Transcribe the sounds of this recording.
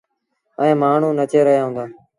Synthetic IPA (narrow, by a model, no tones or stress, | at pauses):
əẽːmaːɳ̤ũːnət͡ʃeːɾəɦjaːɦʊ̃nd̪aː